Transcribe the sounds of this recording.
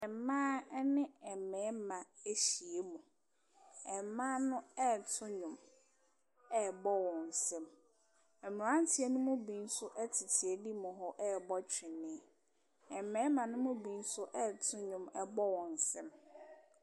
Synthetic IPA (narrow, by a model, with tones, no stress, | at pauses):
ɛ˨mːãː˦nɪ̃˦ɛ˨mɛ̃˨˦mã˨e˦ɕi˨e˦mũ˨ | ɛ˨mã˦nʊ̃˦ɛ˦˨tʰʊ̃˦ɲʊ̃˨m | ɛ˦˨bɔ˦wɔ̃˨n̩˨sɛ̃˦m | ɛ˨mʊ̃˨ã˦n˦tʰi˨˦e˦nʊ̃˦mʊ̃˦bĩ˨n̩˦sʊ˦ʔɛ˦tʰɪ˨tʰi˨e˨di˦mʊ̃˨ɦɔ˦ʔɛ˦˨bɔ˦t͡ɕᶣɪ˨nːɪ̃˦˨ | ɛ˨mɛ̃ː˨˦mã˨nʊ̃˦mʊ̃˦bĩ˨˦n˦sʊ˦ʔɛ˦˨tʰʊ̃˦ɲʊ̃˨mɛ˨bɔ˦wɔ̃˨n̩˨sɛ̃˦m